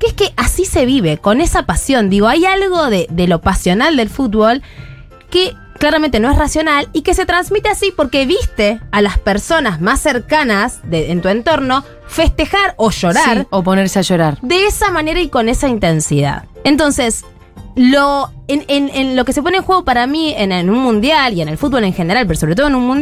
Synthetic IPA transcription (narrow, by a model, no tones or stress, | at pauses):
keehkeʔasise̞β̞iβe̞ko̞nesapasjo̞nd̪iɣ̞o̞ajalɣo̞ðeðe̞lo̞pasjo̞nald̪e̞lfut̪̚βo̞l | ke | klaɾamẽnt̪enoe̞srasjo̞nalike̞se̞t̪ɾanzmit̪easipo̞ɾke̞βist̪e̞alaspeɾso̞nazmasːeɾkanasðeːnt̪ue̞nt̪o̞ɾno̞ | fe̞st̪e̞xaɾo̞ʃo̞ɾaɾopo̞neɾseaʃo̞ɾaɾd̪eesamaneɾaiko̞nesaint̪e̞nsiða̰ðent̪o̞nses | loenenenlo̞kese̞poneŋxweɣ̞opaɾamienenũnmũnd̪jalie̞ne̞lfut̪̚βo̞le̞ŋxe̞ne̞ɾalpeɾo̞soɾet̪o̞ðenunmũn